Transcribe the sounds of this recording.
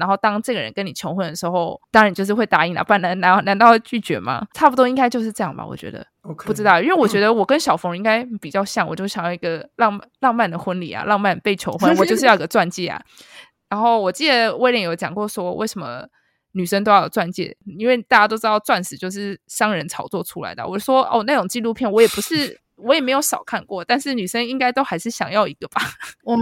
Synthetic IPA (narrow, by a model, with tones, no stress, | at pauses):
a˧˥nxo˥˩ʊt̪ɑ˥ŋʈ͡ʂɤ˥˩ɡə˩ɻə̰˧˦nkə˦˥ni˨˩t͡ɕʰjo˧˥ʊxwə˥˩nd̪ə˩ʂɻ̩˧˥xo˥˧ʊt̪ɑ˥ŋɻn˩t͡ɕjo˥˧ʂ̬ɻ̩˥˧we˥ɪt̪a˧˥i˨˥˩na̰˨˥pa˥˩na˧˥na˧˥na˧˥nt̪ɑ˥˧ʊt͡ɕy˥˩t͡ɕɥɛ̰˧˥ma̰˧ʈ͡ʂʰa˥˩pu˩t̪wɔ˥i˥ŋka˥ɪt͡ɕjo˥˧ʊʂ̬ɻ̩˥˧ʈ͡ʂɤ˥˧jɑ˥˩ba̰˨˩wɔ̰˨˩t͡ɕɥɛ̰˧˥d̪ə̰˧ | pu˥˩ʈ͡ʂɻ̩˥t̪ɑ˥˩ʊʔi˥nwe˥˩wɔ˨˩t͡ɕɥɛ˧˥d̪ə˧wɔ˨˩kə˦nɕjɑ˨˩ʊfo˧˥ŋə˧i˥ŋka˥ɪpi˨˩t͡ɕjɑ˥˧ʊɕjɑ˥˩ŋwɔ̰˨t͡ɕjo˥˧˩ɕjɑ˨ŋji˧˦ɡə˧lɑ˥˧ŋlɑ˥˧ŋma˥˩nd̪ə˩xwə˥nlḭ˨˩a̰˨˩lɑ˥˧ŋma˥˩n˩pe˥˩ɪt͡ɕʰjo˧˥ʊxwə˥˨˩nwɔ˨˩t͡ɕo˥˧ʂ̩˥˧ɑ˥˩ʊi˧˥ɡə˧t͡swa˥˧nt͡ɕjɛ˥˩a̰˨˩ | ɻa˧˥nxo˥˩ʊwɔ˨˩t͡ɕi˥˩d̪ə˨˩we˥˩ɪljo˧˥˩t͡ɕjɑ̰˨˩ŋkwɔ˥˩swɔ˥we˥˩ɪʂə˧˦mə̰˦ | ny˨˩ʂə˥nt̪o˥ʊjo˨˩t͡swa˥˧nt͡ɕjɛ̰˥˩i˥nwe˥˩t̪a˥˩t͡ɕja˥o˥ʊʈ͡ʂɻt̪ɑ˥˧ʊt͡swa˥˩nsɻ̩˨˩t͡ɕjo˥˧ʊʂ̬ɻ̩˥˩ʂɑ˥ŋɻə˧˦nt͡sʰɑ˨˥ʊt͡swɔ˥˩ʈ͡ʂʰu˥la̰˧˦ɪd̪ə̰˨wɔ˨˩˥ʂwɔ˥ʔo̰˥˩na˥˩ʈ͡ʂʊ˨˩ŋt͡ɕi˥˧lu˥˧pʰjɛ˥˩nwɔ˧˥jɛ˨˩pu˧˥ʂɻ̩˥˩ | wɔ˦jɛ˨˩me˧˥ɪjo˧˥ʊʂɑ˨˩ʊkʰa˥˧nkwɔ˥˩t̪a˥˧nʂɻ̩˥˩ny˨˩ʂə˥ni˥ŋka˥ɪt̪o˥ʊxa˧˥ɪʂɻ̩˥˩ɕjɑ˨˩ŋjɑ˥˩ʊi˧˥ɡ̥ə˧b̥a˨